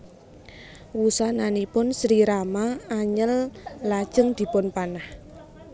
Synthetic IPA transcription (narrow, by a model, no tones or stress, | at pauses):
wusananipʊnsɾiɾamaːɲəllad̥ʒ̥əŋd̪̥i̤pʊnpanah